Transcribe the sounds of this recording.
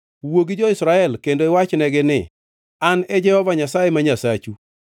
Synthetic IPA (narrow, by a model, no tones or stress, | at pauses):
woɡid͡ʒɔɪsɾaɛlkendoɪwat͡ʃnɛɡɪnɪ | anɛd͡ʒɛhɔvaɲasajemaɲasat͡ʃu